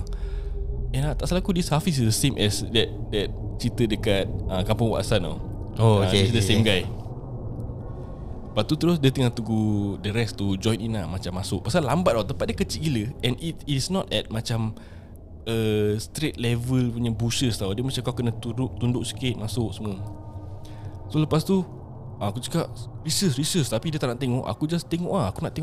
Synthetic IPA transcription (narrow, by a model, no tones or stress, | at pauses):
ɛ̃nat̪aʔsalakudishafis̬isdəsẽmʔɛsdɛt̪̚dɛt̪̚t͡ʃit̪ədəkat̪̚əkampʊŋwa̰ʔsana̰ | oeisdəẽmɡajs | b̥aʔ̚t̪ut̪əɾʊsdət̪əŋat̪uɡudəɾɛst̪ud͡ʒɔ̃j̃ninlahmat͡ʃamːasʊk̚pasalambat̪̚awt̪əpat̪̚dəkət͡ʃiʔkiləɛ̃nitːtsnɔt̪ɛt̚mat͡ʃam | əst̪ɾet̪̚lɛvəlpuɲabusəst̪awdəmat͡ʃakakənə̃t̪udʊʔt̪undʊʔ̚sə̥kɪt̪̚masʊksəmə | soləpast̪u | aakut͡ʃə̥kaʔ | risəsɾisəst̪apidiət̪aʔnaʔt̪eŋɔʔa̰kud͡ʒast̪eŋɔʔahakunaʔt̪eŋʔ